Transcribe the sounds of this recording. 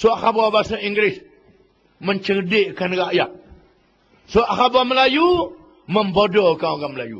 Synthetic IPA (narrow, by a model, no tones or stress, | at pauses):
soʔxababasaiŋɡɾɪs | məɲt͡ʃərdɪʔkanraʔjaʔ̚ | soaʔahabaməlaju | məmbodɔkaɡaməlajṵ